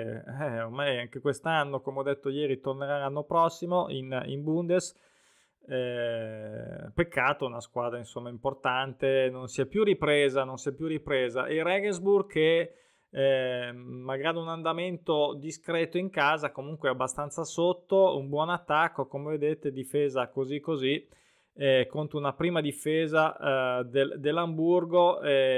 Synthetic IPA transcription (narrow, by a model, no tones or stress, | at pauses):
ɛormajaŋk̟ekwest̪anːokomeɔd̪ːet̪ːojɛːɾit̪orneɾaanːopɾɔsːimoʔinḭmbund̪es | ɛ | pekʰːaːt̪ounaskwaːd̪ɾainsomːaimport̪ant̪enonsiɛpːjuripɾeːzanonsiɛpːjuripɾeːza̰ʔerɛɡenzburɡke | maɡaːɾiunand̪ament̪od̪iskɾɛːt̪oiŋkaːzakomuŋkweabːast̪ant̪sasot̪ːoumbwɔnat̪ːakːokomeved̪et̪ed̪ifeːzakozikːozi | ɛkont̪ounapɾiːmad̪ifeːzad̪eld̪elːamburɡoɛ